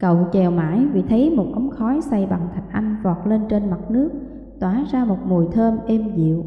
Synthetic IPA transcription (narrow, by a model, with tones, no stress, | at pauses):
kə̰˧˨wt͡ɕɛ˨˩wma̰ː˧˥jvḭ˧˨t̪ʰə˨˦jmo˨˩t̚ʔə˨˦ŋ͡mxɔ˨˦jsa˧jɓa˨˩ŋt̪ʰa˨˩jk̟ʔa˧jŋ̟vɔ˨˩t̚le˧nt͡ɕe˧nma˨˩t̚nɨ˦˥ək̚ | t̪waː˧˩zaː˧mo˨˩t̚mu˨˩jt̪ʰəː˧mʔɛ˧mzḭ˧˨əw